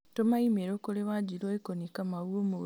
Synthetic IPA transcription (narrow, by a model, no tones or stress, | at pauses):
tomaimeɾoːkuleβaɟiɾoekonikamawuomu